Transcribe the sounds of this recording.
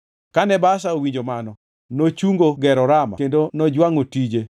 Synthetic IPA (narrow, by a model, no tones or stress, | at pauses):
kanɛbas̬aowiɲd͡ʒomanɔ | not͡ʃuŋɡoɡɛɾɔɾama̰kendonɔd͡ʒwaŋotid͡ʒe